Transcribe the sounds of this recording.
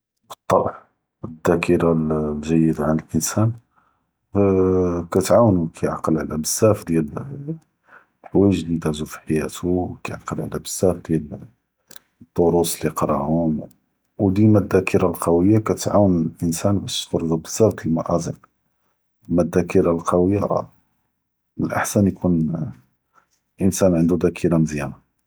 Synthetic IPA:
bət̪ˤːɑbħ | əd̪ːækʰəɾaʒæjːəd̪ʕanəlʔənsæn | kæt̪ʕawənukʰæjʕaqəlʕalæbəsːæfd̪jæl | wəʒlid̪æʕzufi̥ħajæt̪ukæjʕaqəlʕlæbəsːæfd̪jæl | t̪ˤːoɾusliqɾˤɑ̰ʕhʊm | wd̪ilmæd̪ːækʰəɾalqɑwəjːakæt̪ʕawənlʔənsænbæʃt̪fɑɾˤːd̪ˤubəsːæbt̪ilmaʔɑzˤəq | mæd̪ːækəɾalqʰɑwəjːa̰ | məlʔa̰ħsænjkʰun | ʔənsænʕənd̪ud̪ækʰəɾamzjæma

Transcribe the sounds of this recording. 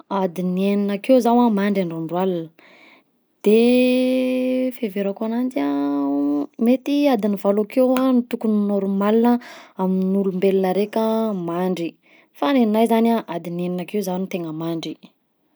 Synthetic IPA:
ad̪inieninakewzawamaɳɖ͡ʐaɳɖ͡ʐaɳɖ͡ʐwalanə | d̪̥e | feveɾakuanand͡ʒa | met̪iad̪inivalokewanit̪ukuninoɾumalinəaminulumbelinəɾekəmaɳɖ͡ʐi | faneninajzanaʔad̪inieninakewzawnit̪eŋəmaɳɖ͡ʐi

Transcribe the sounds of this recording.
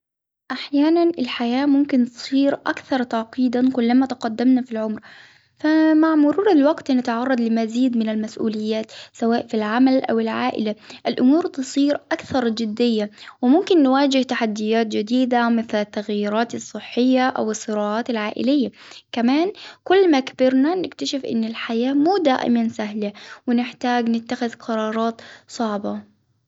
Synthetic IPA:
ʔaħjaːnanʔɪlħajaːmʊmkɪnt̪ɨ̥sˤiːɾʔakθɑɾˤt̪ɑʕqiːd̪ankʊlːamat̪ɑqɑd̪ːamnafilʕʊmɾ | famaʕmʊɾuːɾˤalwaɡt̪nat̪ʕɑrˤːɑd̪ˤlɪmaziːd̪mɪnalmasʔṵːlɪjːaːt̪sawaːʔfilʕamalʔa̰wɪlʕaːʔɪ̰laʔɪlʔʊmuːɾt̪ɨsˤiːɾʔakθɑɾˤd͡ʒɪd̪ːɪjːawɪmʊmkɪnːwaːd͡ʒɪht̪aħad̪ːɪjaːt̪̚d͡ʒɪd̪iːd̪amɪθlat̪ːaɣjiɾɑːt̪ɨsˤːɨħːɪjːaʔa̰wɨsˤːɨɾɑːʕɑːt̪ɪlʕaːʔɪ̰lɪjːakamaːnkʊlːmakabɪɾnanɪkt̪aʃɪfʔɪ̰nːɪlħajaːmuːd̪aːʔɪ̰mansaɦlawɪnɪħt̪aːɡnɪt̪ːaxɪðqʰɑɾˤɑːɾˤɑːt̪sˤɑʕbɑ

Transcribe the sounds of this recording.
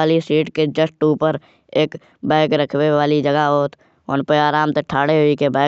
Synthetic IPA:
aːlisiːʈked͡ʒəsʈuːpəɾ | eːk | bãːkɾəkʰweaːlid͡ʒəɡaɦoːt̪ | ɔːnpeaːɾaːmt̪eʈʰaːɽeɦoikebãː

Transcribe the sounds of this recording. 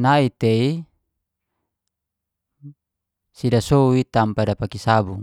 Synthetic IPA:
nait̪ei | sidasouit̪ampadapakisabuŋ

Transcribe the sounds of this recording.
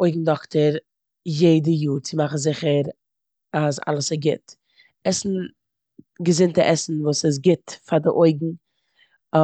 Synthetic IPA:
oɪɡŋ̩dɔktəɾ | jeɪdəjuːɾt͡sɪmaχn̩zɪχəɾ | aza̰lˠəsɪɡɪt | ɛsn̩ | ɡəzɪntəʔɛsn̩vuːsɪs̬ɡɪtfadɪʔoɪɡŋ̩

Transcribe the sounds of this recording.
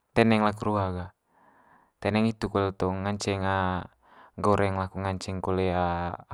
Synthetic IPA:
t̪ɛnɛŋlakuɾuɦaɡa | t̪ɛnɛŋit̪ukɔlɛt̪ɔŋaɲt͡ʃɛŋa | ɡɔɾɛŋlakuŋaɲt͡ʃɛŋkolɛa

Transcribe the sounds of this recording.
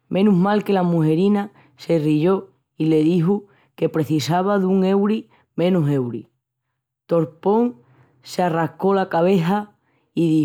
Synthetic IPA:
mʔẽ̞nuɦmalke̞lamuɦe̞ɾina | se̞riʝo̞ | ile̞ðiɦu | ke̞pɾe̞θisaβ̞aðuŋe̞wɾi | mẽ̞nuse̞wɾḭ | t̪o̞ɾpo̞ŋ | searahko̞lakaβ̞e̞θa | iði

